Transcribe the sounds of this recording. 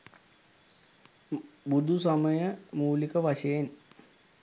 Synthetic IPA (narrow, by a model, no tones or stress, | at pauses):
bud̪ʱusɐmɐjɐmuːlikɐʋɐɕɐjen